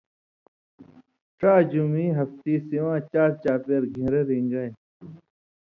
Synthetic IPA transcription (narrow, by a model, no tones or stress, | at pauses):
ʈ͡ʂaːd͡ʑumiːɦɐft̪iːsiwãːt͡ɕaːɾt͡ɕaːpeːɾɡʱĩːɾeɾĩŋɡɐj